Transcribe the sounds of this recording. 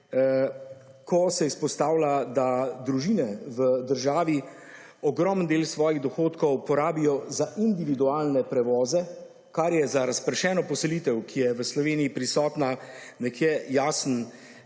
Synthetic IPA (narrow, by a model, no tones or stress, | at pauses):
kʰɔsɛispɔst̪aːwlad̪ad̪ɾuʒiːnɛʋəd̪əɾʒaːʋi | ɔɡɾɔmənd̪eːlsʋɔːjiɣd̪ɔxoːt̪kɔwpɔɾaːbijɔzaʔind̪iʋid̪uaːlnɛpɾɛʋɔːzɛ | kaɾjɛzaɾaspɾɛʃɛːnɔpɔsɛliːt̪ɛwkʰijɛʋəslɔʋeːniːpɾisɔːt̪nanɛkjɛjaːsən